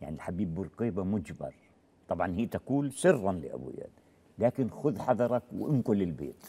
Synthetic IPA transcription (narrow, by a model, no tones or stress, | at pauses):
ja̰ʕnilħabjiːbːʊɾˤqiːbamʊd͡ʒbɑ̰ɾˤ | t̪ˤɑbʕɑnhiːt̪akuːlsɨrːɑnlɪ̰ʔa̰bṵja̰ːn | laːkɪnxʊðħɑðˤɑɾˤɑkw̰ʔɪnkʊlːɪlbḛːt̪